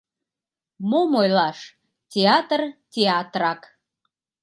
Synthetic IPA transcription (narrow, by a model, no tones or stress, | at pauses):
momojlɑʃ | tʲeɑt̪rtʲeɑt̪rɑk